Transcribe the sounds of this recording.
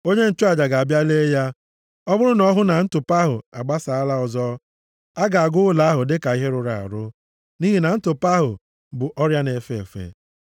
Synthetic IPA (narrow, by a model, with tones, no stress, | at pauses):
o˦ɲe˦n̩˦˨t͡ʃʊ˦a˨d͡ʒa˨ɡa˨a˨bja˦le˦ja˦ | ɔ˦bʊ˦ɾʊ˦nɔ˦ɦʊ˦na˨n̩˦tʊ˨pa˦ɦʊ˨a˨ɡ͡ba˦sa˨a˦la˦ɔ˨zɔ˦ | a˦ɡa˨a˨ɡʊ˦la˨˦a˦ɦʊ˨dɪ˦ka˨i˦ɦe˦ɾʊ˨ɾa˨a̰˨ɾʊ˦ | ni˦ɦi˨na˨n̩˦tʊ˨pa˦ɦʊ˨ | bʊ˨ʔɔ˦ɾja˦ne˨fe˦e˨fḛ˨